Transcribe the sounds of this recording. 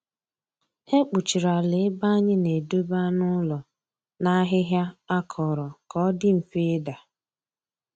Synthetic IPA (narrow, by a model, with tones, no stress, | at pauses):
e˦k͡pu˨t͡ʃi˨ɾa˨lɪ˨˦ba˦ɲɪ˦ne˨do˦ba˦nʊ˦lɔ˨ | na˦ɦɪ˦ɦja˦a˦kʰɔ˨ɾɔ˨kɔ˦dɪ˦m̩˨fe˦da˨